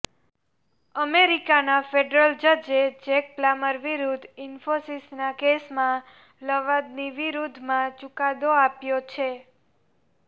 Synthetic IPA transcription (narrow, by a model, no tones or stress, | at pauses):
əmeɾikanafeɖɾəld͡ʒəd͡ʒed͡ʒek̚plaməɾʋiɾud̪ʱinfosisnakesmã | ləʋad̪̚niʋiɾud̪ʱmãt͡ʃʊkad̪oapjot͡ʃʰe